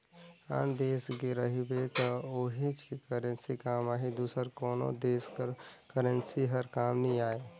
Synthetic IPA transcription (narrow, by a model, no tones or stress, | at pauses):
a̰ːnd̪eːsɡeɾəɦibet̪ɔoɦit͡ʃʰekəɾə̃nsikaːmaːɦid̪uːsəɾkɔːno̰d̪eːskəɾkəɾə̃nsiɦəɾkaːmnəĩaːe